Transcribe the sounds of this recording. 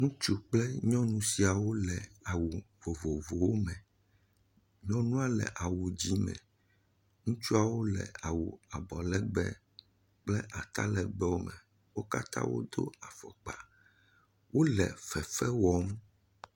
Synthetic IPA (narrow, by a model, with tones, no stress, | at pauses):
ŋũ˦t͡ʃu˦k͡plɛ˦ɲɔ̃˦nũ˦si˨a˨wo˦lɛ˨a˨wu˨vo˨vo˨vo˨wo˦mɛ̃˨ | ɲɔ̃˦nũ˦a˦lɛ̰˨ʔa˨wu˨d͡ʑi˦mɛ̰̃˨ | ŋũ˦t͡ʃu˦a˨wo˦lɛ̰˨a˨wu˨a˨bɔ˨lɛ˦ɡ͡bɛ˦ | k͡plɛ˦ʔa˨t̪a̰˦lɛ˨ɡ͡bɛ˦wo˦mɛ̰˨ | wo˦ka̰˦t̪ã̰˦wo̰˦d̪o̰˦a˨fɔ˨k͡pa˨ | wo˦lɛ˨fɛ˨fɛ˦wɔ˦m